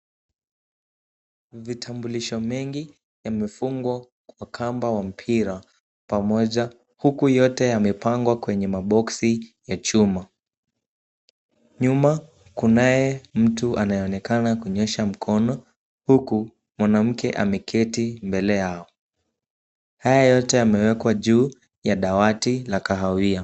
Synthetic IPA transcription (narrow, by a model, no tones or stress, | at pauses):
vitʰambuliʃɔmɛŋɡi | jamɛfuŋɡwa | kwakʰambawam̩pʰiɾa | pamɔʄa | hukujɔtɛjamɛpaŋɡwakwɛɲɛmaɓɔksijat͡ʃuma | ɲuma | kunajɛm̩tuʔanajɛɔɔnɛkanakuɲɛʃam̩kʰɔnɔ | huku | mwanam̩kɛʔa̰mɛkʰɛtimbɛlɛjaɔ | hajajɔtɛamɛwɛkwaʄuː | jaɗawatilakaɦawia